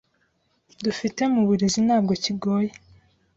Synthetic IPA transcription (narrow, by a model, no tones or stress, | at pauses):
dufite̞muβuɾezin̥haːb̚ɡo̞ciɡo̞ːje